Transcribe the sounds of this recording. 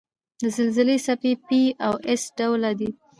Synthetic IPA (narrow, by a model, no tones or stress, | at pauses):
d̪əzəlzɪlesapepiawesɖawlad̪i